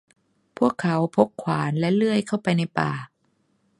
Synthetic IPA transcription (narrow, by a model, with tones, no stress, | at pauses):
pʰu˥˩əkʰːa˩˦wpʰo˦˥k̚kʰwaː˩˦nlɛ˦˥lɯ˥˩əjkʰa˥˩wpa˧jna˧jpaː˨˩